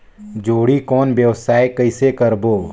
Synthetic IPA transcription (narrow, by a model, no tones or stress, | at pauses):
d͡ʒoːɽikɔːnbjəʋsaːekəɪsekəɾboː